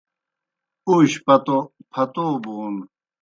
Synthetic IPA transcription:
uɕpɐt̪opʰɐt̪oːbun

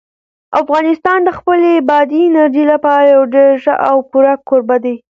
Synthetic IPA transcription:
afɣɑnɪst̪ɑnd̪əxpəlebɑd̪inaɾd͡ʒelapɑɾajawɖeɾʒəʔawkuɾakːoɾbad̪aj

